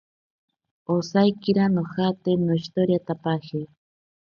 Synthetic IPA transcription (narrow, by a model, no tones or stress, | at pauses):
osajkiɾanohat̪enoist̪oɾjat̪apahi